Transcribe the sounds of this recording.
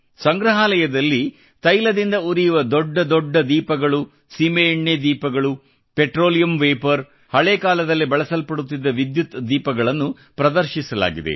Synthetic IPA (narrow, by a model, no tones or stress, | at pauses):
sɐŋɡɾɐɦaːlɐjɐd̪ɐlːi | t̪ɐjlɐd̪ind̪ɐuɾijuʋɐd̪ɔɖːɐd̪ɔɖːɐd̪iːpɐɡɐɭu | simeːɳjed̪iːpɐɡɐɭu | peʈɾoːlijɐmʋeːpɐɾ | hɐɭeːkaːlɐd̪ɐlːibɐɭɐsɐlpɐɽut̪ːid̪ːɐʋid̪jut̪d̪iːpɐɡɐɭɐnːu | pɾɐd̪ɐɾʃisɐla̰ːɡid̪e̞̰